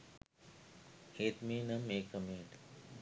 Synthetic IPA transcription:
heːt̪miːnɐmeːkɐmeːɳɖ

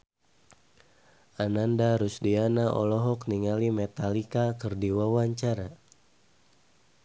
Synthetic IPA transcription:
ʔanandaɾusdianaʔɔ̰lɔɦɔkniŋalimɛt̪alikakɨrdiwawaɲt͡ʃaɾa

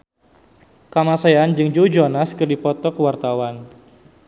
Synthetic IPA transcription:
kamasajand͡ʒɨŋd͡ʒud͡ʒɔnaskərdipɔt̪ɔkəwart̪awan

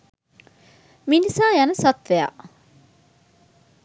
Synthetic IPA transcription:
minisaːjɐnəsɐt̪ʋea̰ʔ

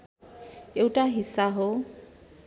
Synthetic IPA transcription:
ewtʼaɦisaɦo

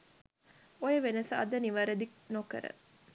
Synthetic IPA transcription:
ojeʋenɐsɐ̰d̪ɐniʋɐɾed̪iknokɐ̰ɾə̰

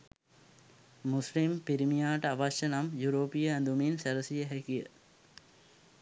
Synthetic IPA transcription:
muslimpiɾimijaːʈɐaʋɐʃjɐnɐmjuɾoːpijəænd̪uminsɛɾɐsijəɦɛkijə

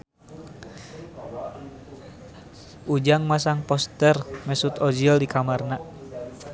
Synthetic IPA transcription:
ʔud͡ʒaŋmasaŋpɔst̪ɛrmɛsut̪ɔd͡ʒildikamarna

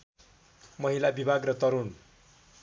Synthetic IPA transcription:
mʌɦilabibʱaɡrʌt̪ʌɾun

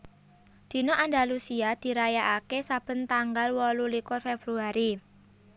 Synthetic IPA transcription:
d̪̥i̤noʔand̪alusiad̪̥i̤ɾajaʔakesab̥ə̤nt̪aŋɡalwɔlulikʊrfeb̥ɾuaɾi

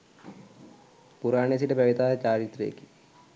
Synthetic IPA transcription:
puɾaːɳes̬iʈɐpɐʋit̪aːet͡ɕaːɾit̪rḛːkːi̥

